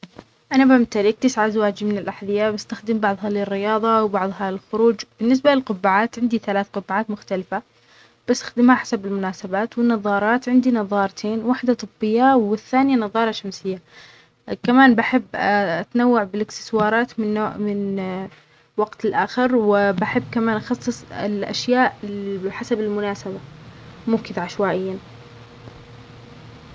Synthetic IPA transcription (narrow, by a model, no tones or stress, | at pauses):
ʔanabamt̪aɾik̚t̪ɪsʕazawaːd͡ʒimɪnɪlʔaħðɪjːaːbast̪axd̪ɪmbɑʕðˤɦɑlɪrːɪjɑːðˤɑwbɑʕðˤɦɑɪlxʊɾuːd͡ʒb̥ɪnːɪs̬balɪlqʊbːaʕaːt̪ʕɪnd̪iθalaːθqʊbːʕaːt̪mʊxt̪alɪfa | b̥ast̪ḁxd̪ɪmhaħḁsabɪlmʊnaːsabaːt̪wɪnːɑðˤːɑːɾˤɑːt̪ʕɪnd̪inɑðˤɑːɾˤt̪ʰeːnwaħd̪at̪ˤɨbːɪjːawɪθːaːnɪjanɑðˤɑːɾˤɑʃamsɪjːa | kamaːnbaħɪbːʔat̪nawːaʕbɪlɪkt̪ɪ̥swɑːɾˤɑːt̪mɪnːoːʔmɪn | waɡt̪ɪlʔaːxɪɾwɪbaħɪbːkamaːnʔɑxɑsˤːɨsˤɪ̰lʔa̰ʃjaːʔħasabɪlmʊnaːsabamʊːkɪðaʕaʃwaːʔɪjːan